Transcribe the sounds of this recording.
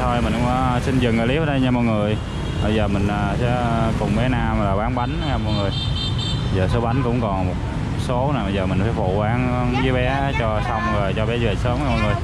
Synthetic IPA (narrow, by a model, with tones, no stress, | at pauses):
t̪ʰo˧jmï˨˩˧ŋ͡msï˧nzɨ˨˩ŋɨ˨˩li˨˦ə˨˦ɗjɲa˧mɔ˨˧˩ŋɨ˨˩əj | ɓə˧jzəː˨˩mï˨˩ŋ̟ʔəː˨˩sɛ̰˧˥kʊ˨˩ŋ͡mɓɛ˨˦naː˧mlaː˨˩ɓaː˨˦nɓa˨˦jŋ̟˨˦ɲa˧mɔ˨˧˩ŋɨ˨˩əj | zəː˨˩so˨˦ɓa˨˦nkʊ̰˧˥ŋ͡mkɔ˨˩nmo˨˩t̚ | so˨˦naː˨˩ɓə˧jzəː˨˩mï˨˩ŋ̟faː˨˦fṵ˧˩ɓaː˨˦ŋ˧˦zəː˨˦jɓɛ˨˦t͡ɕɔ˧sɔ˧wŋ͡mɣəː˨˩jt͡ɕɔ˧ɓɛ˨˦zəː˨˩səː˨˦mɲa˧mː˨˧˩ŋɨ˨˩əj